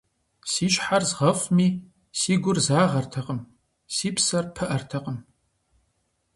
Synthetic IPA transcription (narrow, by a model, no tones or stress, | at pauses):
siːʃʼħarzʁɐfmiː | siːɡʷʊrzaːʁɐrtʰɐqəm | siːpsɐrpʰɐʔɐrtʰɐqʼəm